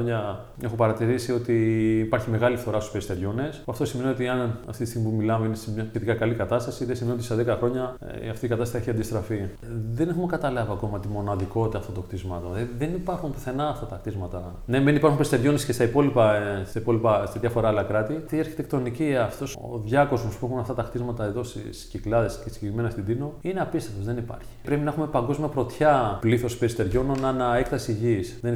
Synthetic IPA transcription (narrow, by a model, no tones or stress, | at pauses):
oɲɐ | e̞xopɐɾɐt̪iɾisio̞t̪iːpaɾçime̞ɣɐlifθo̞ɾɐst̪u̥peist̪e̞ɾʝone̞spuɐft̪o̞simenio̞t̪iɐnɐ̰ft̪it̪ist̪iɣmimpumilɐmeinesemɲɐçet̪ikɐkɐlikɐt̪ɐst̪ɐsiðesimeniot̪iseðekɐxɾo̞ɲɐ̰ | ɐft̪ikɐt̪ɐst̪ɐsieçiɐnd̪ist̪ɾɐfi | ðenexumekɐt̪ɐlɐviɐko̞mɐt̪imo̞nɐðiko̞t̪ɐft̪ot̪okt̪izmɐt̪oðenipɐɾxunpiθe̞nɐːft̪ɐt̪ɐkt̪izmɐt̪ɐ | nemenipɐɾxunmpeist̪eɾʝo̞nescest̪ɐipo̞lipɐst̪ɐipo̞lipɐst̪ɐðʝɐfo̞ɾɐɐlɐkɾɐt̪it̪iɐɾçi̥t̪e̞k̚t̪o̞niciɐft̪o̞so̰ðʝɐko̞zmospuixunɐft̪ɐt̪ɐkt̪izmɐt̪ɐeðo̞st̪ḭsciklɐðe̞scesi̥ɡɟekɾime̞nɐst̪id̪ino̞ineɐpist̪eft̪o̞zðe̞nipɐ̰ɾçi̥pɾe̞pinɐxume̞pɐŋɡo̞zmiɐpɾo̞t̪çɐpliθo̞speɾist̪eɾʝo̞nonɐnɐekt̪ɐsiʝiːsðen